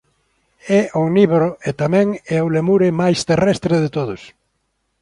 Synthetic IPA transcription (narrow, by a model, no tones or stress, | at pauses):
ɛʔoniβɾoet̪amɛ̃ŋɛolemuɾɪmajst̪erɛst̪ɾeðɪt̪oðʊs